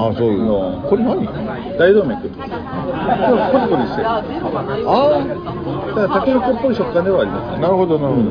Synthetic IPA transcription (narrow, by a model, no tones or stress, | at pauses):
asookoɾnaɲi | d̪aid̪oːmet̪ːot̪k | koɾkot̪ikoɾʲise | a | t̪at̪akenokopːoiɕo̞kːãnd̪e̞βaːɾʲimasɨnenaɾɯ̟ɦod̪onaɾɯo